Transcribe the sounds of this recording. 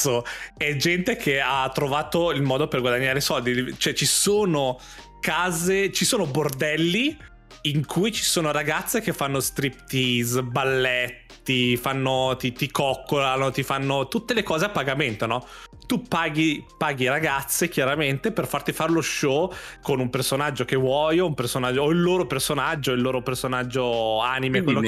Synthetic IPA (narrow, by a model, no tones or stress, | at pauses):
oɛd͡ʒɛnt̪ekʰeat̪ːɾovaːt̪oilmɔːd̪operɡwad̪aɲːaːɾesɔld̪it͡ʃoɛt͡ʃisoːno | kaːzet͡ʃisoːnobord̪ɛlːi | iŋkʰujt͡ʃi̥soːnoɾaɡat̪sːekefːanːost̪ɾipt̪izbalːɛt̪ːifanːot̪it̪ikɔkːolanot̪ifanːot̪ut̪ːelekɔːzeapːaɡament̪onɔt̪upaːɡipaːɡiɾaɡat̪sːekjaɾament̪eperfart̪ifaɾloʃɔkonumpersonad͡ʒːokevwɔːjoumpersonad͡ʒːoːilːoːɾopersonad͡ʒːoilːoːɾopersonad͡ʒːoaːnimekkwelːo